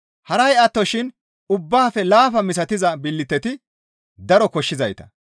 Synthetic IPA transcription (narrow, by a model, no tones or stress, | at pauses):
hɐɾɐjɐt̪ːɔʃɪn | ʊbːaːfɛlaːfɐmɪs̬ɐt̪ɪzɐbɪlːɪt̪ːɛt̪ɪ | d̪ɐɾɔkɔʃːɪzɐjt̪ɐ̥̰